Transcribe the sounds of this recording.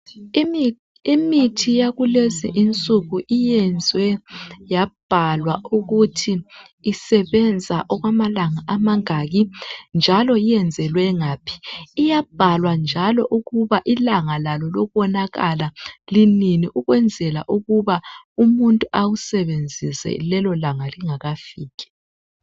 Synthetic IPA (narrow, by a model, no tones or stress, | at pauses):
imitʰijaɣulezḭʔint͡sʼuɣuʔijɛnd͡zʱwɛjab̥ʱalwauɣutʰiː | sɛβɛnd͡zʱaʔɔɣwamalaŋaʔamaŋaɣind͡ʒʱalɔijɛnd͡zʱɛlwɛŋaːpʰi̥ːjab̥ʱalwand͡ʒʱalɔʔuɣuβaʔilaŋalalɔlɔwɔnaɣalalininiʔuɣwɛnd͡zʱɛla̰ʔuɣuβaumuntʼuʔawusɛβend͡zʱisɛ̰lɛlɔlaŋaliŋaɣafiːɣɛ̥